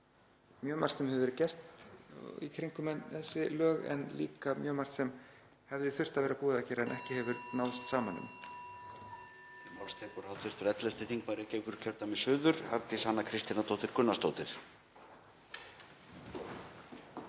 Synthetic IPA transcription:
mjœːmar̥t̪sɛmhɛvʏɾcɛr̥t̪ | ḭkʰɾiŋkʏmɛnθɛsːɪlœːɣɛ̰nlḭːkamjœːmar̥t̪sɛm | hɛvðɪθʏr̥t̪avɛːɾapuːðacɛːɾaɛnʔɛhcɪhɛvʏɾnawst̪saːmanːʏ̰m | mawlst̪ʰɛːpɔɾ̥hawt̪ʰɪɾ̥t̪ɾɛt̪lɛlt̪ɪθiŋkmaɾɪcɛːjkʏɾcʰœɾ̥t̪amɛsʏːðʏɾ̥haɾt̪ɪshanːakʰɾɪst̪inat̪ʰowt̪ɪɾ̥kʏnːast̪oːwt̪ɪɾ̥

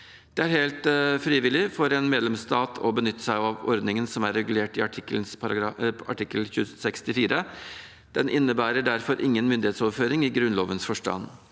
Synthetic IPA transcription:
d̪̥ɛæɾheːlt̪fɾiːʋɪlɪfɔɾɛnmeːd̪lɛmst̪ɑːt̪ʰɔ̰bənʏt̪ːə̥sæɪɑʋɔɾd̪nɪŋənsɔmæɾːɛɡʉleːʈɪɑʈʰɪkəln̩sɾɑɑ̰ʈʰɪkːəlçʉːsɛkst̪ɪfiːɾʔə | d̪̥ɛnʔɪnːəbæːɾəɖæɾfɔɾʔɪŋːənmʏnd̪ɪheːt̪sɔːʋføːɾɪŋɪɡɾʉnloːʋənsfɔʂʈɑ̰n

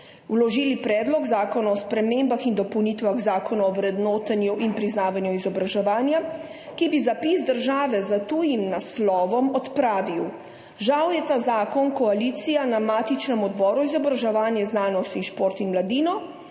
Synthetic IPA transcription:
wlɔʒiːlipɾɛːd̪lɔɡzaːkɔnaɔspɾɛmembaxind̪ɔpɔwniːt̪ʋaɣzaːkɔnɔɔwɾɛd̪nɔːt̪anjuʔinpɾiznaːʋanjuizɔbɾaʒɛʋaːnja | kibizapiːsd̪əɾʒaːʋɛzat̪uːjimnaslɔːʋɔmɔt̪pɾaːʋiw | ʒawjɛt̪aːzaːkɔnkɔaliːt̪sijanamaːt̪it͡ʃnɛmɔd̪bɔːɾuizɔbɾaʒɛʋaːnjɛznaːnɔst̪inʃpoːɾt̪inmlad̪iːnɔ

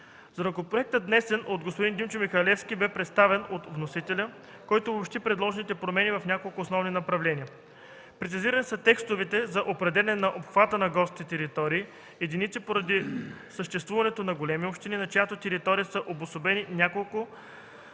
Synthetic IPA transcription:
zɐɾɐkopɾoɛk̚t̪ət̪d̪nɛsɛnot̪ɡospod̪ind̪imt͡ʃomixɐlɛfskʲibɛpɾɛt̪st̪avɛnot̪vnosit̪ɛlʲə | kɔjt̪oopʃt̪ipɾɛd̪lˠɔʒɛnit̪ɛpɾomɛnivɐfnʲakolˠkoːsnɔvninɐpɾɐvlɛnʲiə | pɾɛt̪siziɾənisət̪ɛkst̪ovɛt̪ɛzɐʔopɾɛd̪ɛlɛnɛnɐʔopxvat̪ənɐɡɔsit̪ɛɾit̪ɔɾiː | jɛd̪init̪sipoɾɐd̪isəʃt̪ɛst̪vuvɐnɛt̪onɐɡolɛmiopʃt̪ininɐt͡ʃjat̪ot̪ɛɾit̪ɔɾijəsəʔobosobɛninʲjakolˠkʊ

